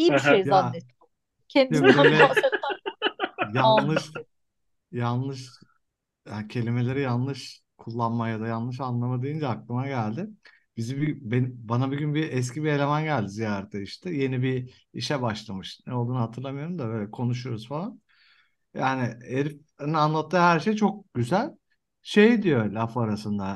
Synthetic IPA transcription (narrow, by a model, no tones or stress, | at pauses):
iiʃejzjaɛ | cʰɛnd̪ibølʲɛ | janlˠɯʃ | janlˠɯʃ | jancʰe̞lʲime̞lʲe̞ɾɛjanlˠɯʃ | kʰulˠːanmajad̪ajanlˠɯʃanlˠamad̪e̞jind͡ʒɛaklˠɯmaɟælʲd̪ɪ | b̥izibbenbanabuɟynbiɛs̬cibie̞lʲe̞mænɟælʲd̪izijaːɾɛt̪ʰːɛiʃt̪ʰɛje̞nibi | iʃɛbaʃlˠamɯʃnɛolˠd̪unuɦat̪ʰɯɾlˠamɯjo̞ɾumd̪aø̞ːjlʲɛkʰo̞nuʃ̬ujoɾuzfalˠan | jaːnɪeɾif | anlˠat̪ʰːɯːɦæɾʃejt͡ʃʰo̞k̚ɟ̥yzælʲ | ʃejd̪ijolʲafaɾasɯnd̪a